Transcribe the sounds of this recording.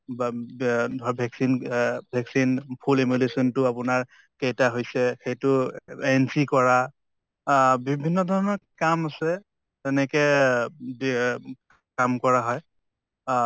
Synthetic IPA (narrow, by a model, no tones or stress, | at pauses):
dʱɔbʱɛksinbʱɛksinpʰulemulesɔntʊapʊnaɹ | kejtaɦojsɛxejtʊɛnsikɔɹa | bibʱinːɔdʱɔɹɔnɔkamasɛ | tɛnɛkɛ | b | kamkɔɹaɦɔj